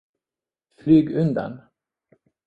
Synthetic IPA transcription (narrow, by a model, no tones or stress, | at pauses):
flyːɡɵnd̪a̰n